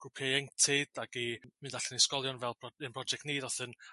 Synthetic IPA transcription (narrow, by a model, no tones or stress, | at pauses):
ɡ̥rupʰeɛŋtʰɪd̥aɡimɨndaɬɛniskɔlˠjɔnvɛlˠpʰɔənpʰrɔd͡ʒɛk̚tneːdɔθən